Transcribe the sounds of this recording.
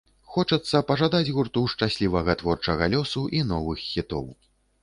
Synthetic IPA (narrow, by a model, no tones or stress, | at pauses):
xɔt͡ʂɐt̪sːɐpɐʐad̪ad͡zʲɣurt̪uʂt͡ʂasʲlʲivɐɣɐt̪vɔrt͡ʂɐɣɐlʲɔsuʔinɔvɨxːʲit̪ɔ̰w